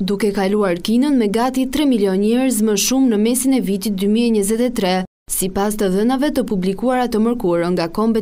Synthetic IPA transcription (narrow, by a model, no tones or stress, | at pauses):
d̪ukɛkaluaɾkinənmɛɡat̪it̪ɾɛmiljɔnɛɾz̬məʃumnəmɛsinɛvit̪it̪̚d̪ymiɛɲəzɛt̪ɛt̪ɾɛ | sipas̬t̪əðənavɛt̪əpublikuaɾat̪əməɾkuɾəŋɡakɔmbɛ